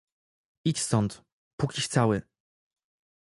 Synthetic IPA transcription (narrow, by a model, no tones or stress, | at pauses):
it͡ɕst̪ɔnt̪ | pukʲiɕt̪sawɘ